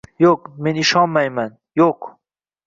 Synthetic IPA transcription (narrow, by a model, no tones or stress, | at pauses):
jokmeniʃɑːmːɐjmɐn | jok